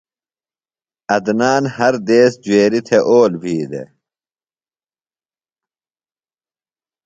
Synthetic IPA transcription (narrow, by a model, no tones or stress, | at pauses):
ɐd̪naːnhɐɾd̪eːsd͡ʑueːɾit̪ʰeʔoːlbʱiːd̪ḛ